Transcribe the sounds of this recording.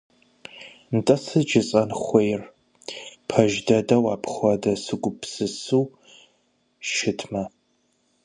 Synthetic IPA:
ntʼɐsɨd͡ʒɪt͡sʼɐnχʷejr | pʰɐʒdɐdɐwaːpʰχʷɐdɐsɨɡʷʊpʰsɨsuː | ʃɪtʰmɐ

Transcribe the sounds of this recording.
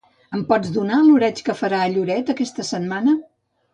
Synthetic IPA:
əmpɔd͡zðunaluɾɛt͡ʃkəfəɾaːʎuɾɛt̪əkɛst̪əsəmmanə

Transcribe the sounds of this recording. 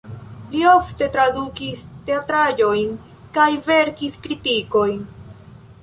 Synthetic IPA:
lio̞fte̞tɾadukiste̞atɾad͡ʒo̞jn | kajve̞ɾkiskɾitiko̞jn

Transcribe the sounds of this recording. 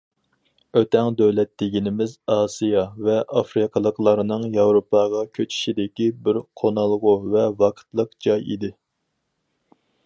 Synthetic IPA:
øt̪ʰɛŋd̪øwlɛt̪ːɪɡʲinɪmɪzɑːsijɑvɛʔɑfɾɨqʰəlˠəqlˠɑɾɨnɨŋjɑwɾopʰɑʁɑkʲʰøt͡ʃʰi̥ʃid̪ɪkʲibɪɾqʰonɑlˠʁʊvɛvɑqʰə̥t̪lˠəqd͡ʒɑjḭd̪ɪ

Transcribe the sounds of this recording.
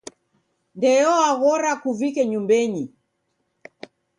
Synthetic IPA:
ndɛjɔaɣɔɾakuvikɛɲumbɛɲi

